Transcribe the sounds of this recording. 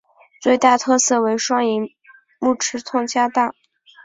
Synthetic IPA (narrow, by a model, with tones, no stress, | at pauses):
t͡swe˥˧ɪt̪a˥˩t̪ʰɤ˥˧sɤ˥˩we˧˥ɪʂwɑ˥ŋi˧˥ | mu˥˩ʈ͡ʂʰɻ̩˧˥t̪ʰʊ˥˧ŋt͡ɕja˥t̪a˥˩